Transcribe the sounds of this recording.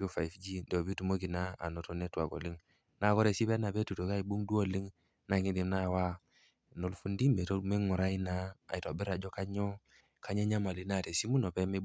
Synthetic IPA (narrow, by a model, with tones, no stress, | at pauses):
bu˦fa˨jfd͡ʒi˦do˨bi˦tu˨mo˦ɡi˨na˦a̰˨no˨to˨nɛ˦twa̰˨ɡo̰˨li˦ŋ | na˨ɡɔ˦ɾɛ˨si˦bɛ˦na˨be˦tu˨to˨ka˦i˨bu˦ŋdu˦o˨li˦ŋ | na˨ŋi˦di˨mna˦˨wa˦ | no˨lfu˦ndi˦mbe˨to˦me˦ŋu˨ɾa˦i˦na˦a̰˨i˨ta˨bɪ˦ɾa˨d͡ʒɔ˦ka˦ɲɔ˦ | ka˦ɲɛ˦ɲa˦ma˨li˨˦na˦˨te˨si˦mu˦no˨pɛ˦me˦